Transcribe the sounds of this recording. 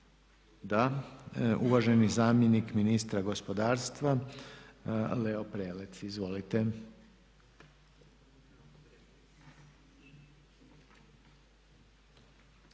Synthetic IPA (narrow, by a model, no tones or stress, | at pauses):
d̪a | uʋaʒe̞nizaːmjenikminist̪ɾaɡo̞spo̞d̪aːɾst̪ʋa | leopɾeːlet̪sizʋo̞lit̪e